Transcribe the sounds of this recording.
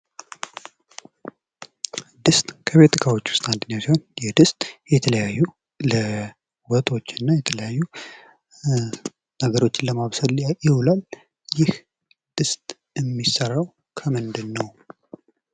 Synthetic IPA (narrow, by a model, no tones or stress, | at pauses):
d̪ɨst̪ʼkʰəβe̞t̪ʼɨkʰawot͡ʃːu̥st̪ʼand̪ɨnjasihonjɛd̪ɨst̪ʼjɛt̪ʰələjajːu | lə | wɔt̪ʼo̞t͡ʃːɪnːajɛt̪ʰələjajːu | nəɡəɾo̞t͡ʃːɪnləmaβsəljɪwlal | jɪh | d̪̥ɨst̪ʼ | ɨmːisːərːaw | kʰəmɨnd̪ɨnːəw